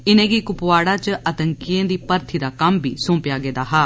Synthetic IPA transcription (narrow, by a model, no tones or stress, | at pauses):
ɪnẽːɡikʊpʋaːɽaːt͡ʃʔət̪əŋkiẽːd̪iːpəɾt̪ʰiːd̪aːkəmbʱḭːsõːmpɪjaːɡeːd̪aːɦaː